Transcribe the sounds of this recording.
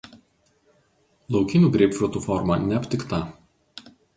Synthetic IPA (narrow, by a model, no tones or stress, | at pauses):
lˠɒʊkʲɪnʲuːɡɾʲɛɪpfʲɾʊt̪ufɔɾmɑnʲɛpʲt̪ʲɪkt̪ɑˑ